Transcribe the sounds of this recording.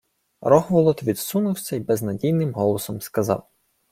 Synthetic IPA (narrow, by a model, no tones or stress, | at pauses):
ɾɔxʋɔlˠɔt̪ʋʲid̪sunʊwsʲɐibɛznɐdʲijnɪmɦɔlˠɔsɔmskɐzɑ̰w